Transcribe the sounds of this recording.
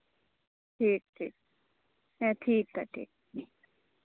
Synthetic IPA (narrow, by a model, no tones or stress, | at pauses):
ʈʰiːk̚ʈʰiːk̚ | jɛ̃ʈʰiːk̚t̪aʈʰḭːk̚